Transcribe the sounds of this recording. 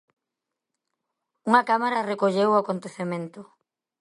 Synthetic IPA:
uŋɐkamaɾɐrekoʎewakont̪eθemẽnt̪ʊ

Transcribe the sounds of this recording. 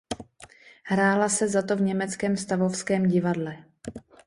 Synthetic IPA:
hɾaːlasɛzat̪o̞vɲɛmɛt͡skɛːmst̪avo̞fskɛːmɟɪvadlɛ

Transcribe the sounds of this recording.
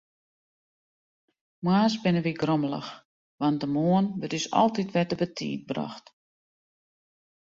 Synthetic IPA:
mwaːsbɪnəʋiɡroməlˠə̰x | ʋɑntdəmoənʋətdysɔ̰lˠtitʋɛdəbətʰḭːt̚bra̰xt

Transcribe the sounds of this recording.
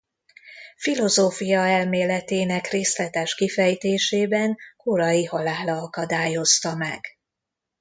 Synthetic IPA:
filo̞zoːfijɒɛlmeːlɛt̪eːnɛkreːslɛt̪ɛʃkifɛjt̪eːʃeːbɛnkoɾɒjihɒlaːlɒɒkɒd̪aːjo̞st̪ɒmɛ̰ɡ̥

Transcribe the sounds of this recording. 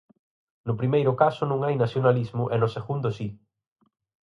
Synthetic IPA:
nʊpɾimejɾʊkasʊnũŋajnaθjonalizmʊʔɛnʊseɣund̪ʊsi

